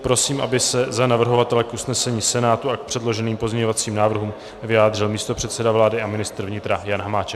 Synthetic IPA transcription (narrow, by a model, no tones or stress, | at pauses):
pɾo̞siːmʔa̰bɪsɛzanavr̩ɦo̞vat̪ɛlɛkʔusnɛsɛɲiːsɛnaːt̪uak̚pr̝̥ɛdlo̞ʒɛniːmpozɲɛɲo̞vat͡siːmnaːvr̩ɦuːm | vɪjaːd̪rɪlmiːst̪o̞pr̝̥ɛt̪sɛdavlaːdɪʔamɪnɪst̪ɾ̩vɲɪt̪ɾajanɦamaːt͡ʃɛk